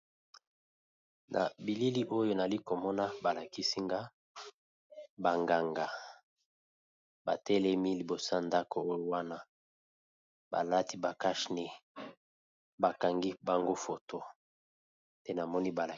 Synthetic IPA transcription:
nʔa̰˨bi˨li˦li˦ʔo˦jo˦na˨li˦ko˨mɔ˦na˦ba˨la˨ki˦si˦ŋɡa˦ | ba˨ŋɡa˨ŋɡa˨ | ba̰˨tɛ˦lɛ˦mi˦li˨bo˨sa˦˨nda˦ko˨o˦jo˦wa˦na˦ | ba̰˨la˦ti˦ba˨ka˦ʃni˦ | ba˨ka˨ŋɡi˦ba˨ŋɡo˦fo˨to˦ | tɛ˦na˨mɔ˦ni˦ba˨la˨

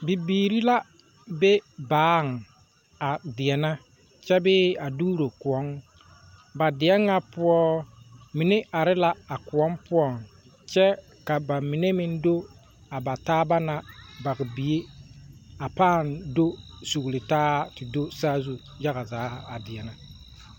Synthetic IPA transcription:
bi˨biː˨ɾi˦la˦ | be˦baː˦˨ŋ˨ | a˨dɪ˨ɛ˨na˦ | t͡ʃɛ˦bɪː˦a˨duː˦ɾo˨kʊ˨ɔ˨˦ŋ | ba˨dɪ˨ɛ˦ŋːa˦pʊ˦ɔ˦mɪ˨nɪ˦ʔa˨ɾɪ˦la˦a˨kʊ˨ɔ˦mpʊ˦ɔ˨ŋ | t͡ʃɛ˦ | ka˨ba˨mɪ˨ne˦mɪ˦n˦do˦ | a˨ba˨taː˦ba˦na˨ba˨ɣɪ˨bi˨e˦ | a˨paː˦˨ndo˦ | su˨ɣlɪ˨taː˦tɪ˨do˦saː˦zu˦ | ja˦ɣa˨zaː˨˦a˨dɪ˨ɛ˨na˦

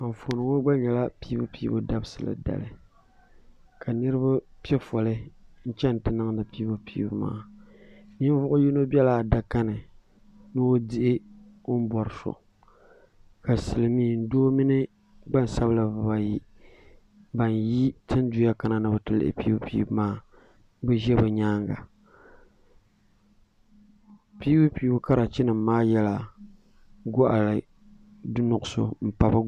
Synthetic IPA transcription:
ka˨ɱ˨fo˨nɨ˨ŋo˦ɡ͡ba˦ɲɛ˨la˦pi˦bu˦piː˦bʊ̰˦da˦bɨ˦sɨ˨la̰˨da̰˨lɨ˨ | ka˨nɨ˦ɾɨ˦ba˦pi˦ɛ˦fɔ˨lɨ˦n̩˦t͡ʃɛ˦n˨tɨ˦na˦ŋ˦nɨ˨pi˦bo˦piː˦bʊ˦ma̰ː˦ | mi˦n˦vʊ˦ʔʊ˦ji˦no˦bi˦ɛ˦la˨da˨ka˦nɨ˨ | nɨ˦o˦di˦ʔɪ˦ | o˦m̩˦bɔ˨ɾɨ˨so̰˨ | ka˨sɨ˨lɨ˨miː˦n̩˦doː˦mi˦nɨ˦ | ɡ͡ba˦˨n˨sa˦bla˨vɨ˨ba˨ji˦ | ba˨nji˦tɨ˦n˦du˨ja˦ka˦na˨nɨ˦˨bɨ˨tɨ˨lɨ̰˨ɪ̰˨pḭ˦u˦pḭ˦˨bmaː˦ | bɛ˦ʒɛ˦bɨ˨ɲaː˦ŋɡa̰˨ | pi˦u˦pi˦u˦ka˦ɾa˨t͡ʃi˦nɨ˨mːaː˦jɛ˦la˨ | ɡɔ˦ʔa˨lɨ˨ | dʊ˦nʊ˨ʔʊ˨so̰˨m̩˨pa˨ba˦

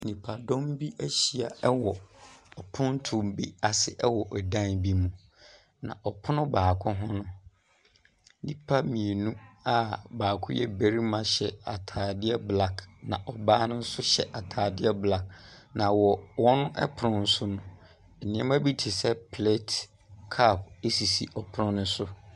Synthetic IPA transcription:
nĩ˨pʰa˨dɔ̃˦mbi˦æ˦ɕi˨a˨ɛ˦wɔ˨ɔ˨pʰʊ̃˦n˦tʰʊ̃˨mbi˦a˨sɪ˦ʔɛ˦wɔ˨ʔɔ˨dã˦nbi˦mũ˨ | nã̰˨ʔɔ˨pʰʊ˦nʊ̃˦baː˨kʰʊ̃˦ɦʊ̃˦nʊ̃˦ | nĩ˦pʰa˦mĩ˨e˨nũ˦a˨baː˨kʰʊ˦jɛ˦be˨ɾi˦mã˦ɕɛ˨a̰˨tʰaː˨dɪ˦ɛ˦bla˦knã̰˨ʔɔ˨baː˦nʊ̃˦n̩˦sʊ˦ɕɛ̰˨ʔa˨tʰaː˨dɪ˦ɛ˦bla˦knã˨wɔ˨wɔ̃˦nʊ̃˦ʔɛ̰˦pʰʊ˨ɾʊ̃˦n̩˦sʊ˦nʊ̃˨ | ɛ˨nɪ̃˦ɛ̃˦m˦æ˦bi˦tʰi˨sɛ˦pʰle˦t | kʰa˦˨p̚e˦si˨si˨ʔɔ˨pʰʊ˦ɾʊ̃˦nʊ̃˦sʊ˦

